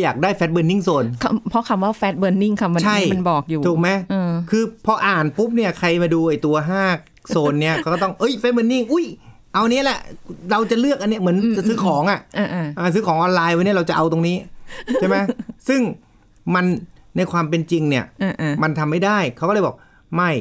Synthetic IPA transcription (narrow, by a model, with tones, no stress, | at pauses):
jaː˨˩k̚daː˥˩jfɛː˦˥t̪̚bɤː˧nːi˥˩ŋsoː˧˩nkʰa˧˥pʰɔ˦˥kʰa˧mwaː˥˩fɛː˦˥t̪̚bɤː˧nːi˥˩ŋkʰa˦˥pma˧nt͡ɕʰa˥˩˦jma˧nbɔː˨˩k̚juː˨˩u˨˩k̚ma˦˥jʔːkʰɯː˧pʰɔ˧ʔaː˨˩npu˦˥p̚ni˥ɐkʰa˧jmaː˧duː˧ʔa˨˩jt̪u˧ɐɦaː˥˩k̚ | soː˥˧nːi˦˥ɐkʰa˦wkːɔː˥˩t̪ɔ˥˩ŋʔɤ˦˥˩jfɛ˦˥bɤː˧nːi˥˩ŋʔu˦˥˩j | ʔa˧wniː˦˥˨lɛ˧˩ʔɾa˧wt͡ɕa˨˩lɯ˥˩ək̚ʔa˧nːi˦˥ɐmɯ˩˦ənt͡ɕa˨˩sɯː˦˥kʰɔː˩˦ŋʔa˨˩ʔʔa˧˩ʔʔaː˧˩s̬ɯː˦˥kʰɔː˩˦ŋʔɔː˧nlaː˧jwa˧nːi˦˥ɐ˨ɾa˧wt͡ɕa˨˩ʔa˧wt̪o˧ŋniː˦˥a˥˩ma˦˥jsɯ˥˩ŋ | ma˧nːa˧jkʰwaː˧mp̬e˧nt͡ɕi˧ŋni˥˩ɐʔa˧˩ʔma˧nt̪ʰa˧mːa˥˩jdaː˥˩jkʰa˦wkːɔː˥˩ɤː˧˩bɔː˨˩k̚ | ma˥˩j